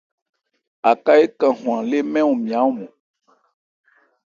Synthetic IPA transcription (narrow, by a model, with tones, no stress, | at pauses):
a˨ka˦e˦kã˨ɦũ˨ã˨le˦mɛ̃˦wo˨mĩ˨a˨˦wo˦˨mɔ̃˨